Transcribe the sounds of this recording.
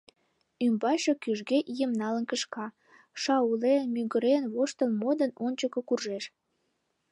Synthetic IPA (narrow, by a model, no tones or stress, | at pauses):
ymbɑʃokyʒɣeʔijəmnɑlənkəʃkɑ | ʃɑulemyɣəɾenβoʃt̪ənmod̪ənonʲt͡ɕəkə̆kurʒeʃ